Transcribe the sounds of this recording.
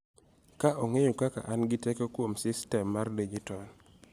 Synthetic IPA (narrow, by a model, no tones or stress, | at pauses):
kaʔoŋejokaka̰ʔanɡɪtekokwomsɪstɛmːarded͡ʒitɔn